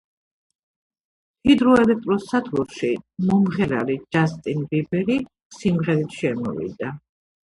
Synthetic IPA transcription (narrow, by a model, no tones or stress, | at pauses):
hid̪ɾɔɛlɛk̚ʰt̪ʼɾɔsad̪ɡuɾʃimɔmʁɛɾa̰lid͡ʒast̪ʼinbibɛɾi | simʁɛɾit̪ʰʃɛmɔ̰vḭd̪a